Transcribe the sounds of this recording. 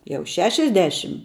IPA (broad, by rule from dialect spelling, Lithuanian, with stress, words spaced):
jɛʊ ˈʃʲæːʃʲɛzʲˌdʲæːʃʲɪm